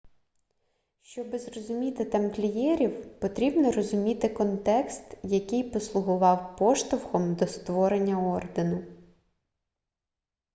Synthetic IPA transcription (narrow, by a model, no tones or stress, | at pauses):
ʃt͡ʃɔbɪzrɔzʊmʲit̪ɪt̪ɐmklʲijɛɾʲiwpɔt̪ɾʲibnɔrɔzʊmʲit̪ɪkɔnt̪ɛkst̪jɐkɪjpɔslˠʊɦʊʋɑwpɔʃt̪ɐwxɔmd̪ɔst̪ʋɔɾenʲːɐɔrd̪enʊ